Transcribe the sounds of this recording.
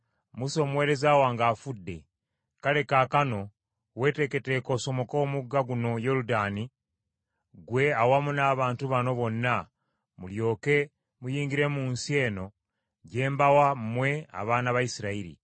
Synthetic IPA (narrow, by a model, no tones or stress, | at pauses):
muso̞mwe̞ːɾe̞zawaːŋɡaːfudːe̞̰ | kale̞kaːkano̞ | we̞ːte̞ke̞teːko̞so̞mo̞komuɡːaɡuno̞jo̞ludaːni | ɡwe̞awamunaːβaːntuβano̞βo̞nːa | muljo̞ːke̞ | mujiːŋɟiɾe̞muːnsie̞ːno̞ | ɟe̞ːmbawammwe̞a̰βaːnaβaisiɾaiɾḭ